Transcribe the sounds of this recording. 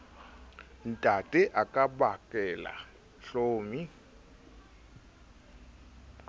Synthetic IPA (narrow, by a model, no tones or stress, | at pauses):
n̩tʼatʼɛʔakʼabakʼɛla̰ | ɬoːmi